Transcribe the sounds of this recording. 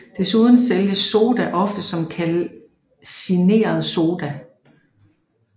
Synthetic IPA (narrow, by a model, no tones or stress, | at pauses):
d̥e̝suð̞ˠn̩seljəso̝ːd̥æʔɒ̽fd̥əsɒ̽mkʰæl | sine̝̰ːɐð̞̩ˠso̝ːd̥æ